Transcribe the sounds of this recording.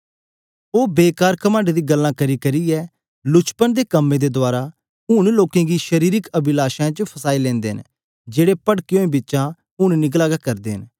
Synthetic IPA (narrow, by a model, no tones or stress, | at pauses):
oːbeːkaːɾkəmãːɳɖd̪iːɡəlːãːkəɾiːkəɾiːɛː | lʊt͡ʃpənd̪eːkəmːẽːd̪eːd̪ʊaːɾaː | ʊnloːkẽːɡiːʃəɾiːɾɪkəbɪlaːʃãːt͡ʃəpʰəsaːilɛ̃ːnd̪ḛːɦə̰n | d͡ʒeːɽeːpəɽkeõːĩbɪtːʃãː | ʊnnɪk̬laːɡakɐɾd̪eːɦən